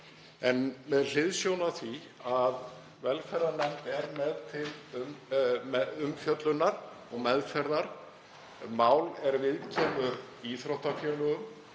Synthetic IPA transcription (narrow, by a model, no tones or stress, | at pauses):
ɛnmɛðl̥ɪðsjownaθvi | að | vɛlfɛɾðanɛmt̪ɛɾmɛðt̪ʰɪlmɛʏmːfjœt̪lʏnːaɾ̥ | ɔɣmɛðfɛɾðaɾ̥ | maːwlɛɾvɪðcʰɛːmʏɾ | iθɾowht̪afjœlʏɣʏm